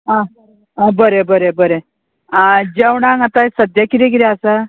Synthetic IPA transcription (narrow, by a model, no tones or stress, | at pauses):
ɦã | abəɾebəɾebəɾe | ad͡ʑewɳaŋat̪asəd̪jakiɾeɡiɾeasa